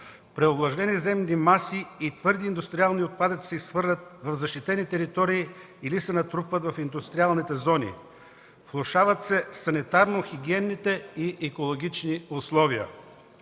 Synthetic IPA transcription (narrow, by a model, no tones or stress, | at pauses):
pɾɛoblˠɐʒnɛnizɛmnimasiit̪vɤɾd̪iːnd̪ʊst̪ɾialˠniot̪̚pad̪ət̪sʲisvɤɾlʲət̪̚vɐvzɐʃt̪it̪ɛnit̪ɛɾit̪ɔɾiː | lisɛnɐt̪ɾupvət̪vɐfind̪ʊst̪ɾialˠnit̪ɛzɔnḭ | flˠoʃavət̪sɛsɐnit̪aɾnoxiɡʲiɛnːit̪ɛiʔɛkolˠoɡʲit͡ʃniʊslˠɔviə̰